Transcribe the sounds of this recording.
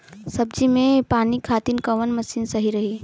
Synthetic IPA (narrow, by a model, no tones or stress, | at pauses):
sɐb̚d͡ʒimẽpaːnikʰaːt̪inkɐʋənmɐsiːnsɐɦiɾɐɦi